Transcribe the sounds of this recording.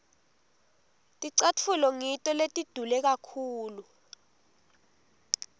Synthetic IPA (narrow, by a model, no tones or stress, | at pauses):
tʼiǀat͡fʰulɔŋitʼɔletʼid̥ʱulɛk̬akʰuːlu